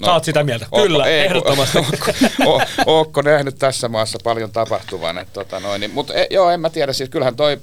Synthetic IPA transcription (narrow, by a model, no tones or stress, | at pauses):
nsɑːt̪sit̪æmiælt̪æʔoylːæeˑiehɾoːomɑst̪oːkːooːoːkːonæhnyt̪t̪æsːæmɑːˑsːɑpɑljont̪ɑpɑht̪uʋɑ̰nḛt̪t̪ot̪ɑnoinnimut̪ḛjoːemmæt̪iæɾæssiːskylhænt̪oi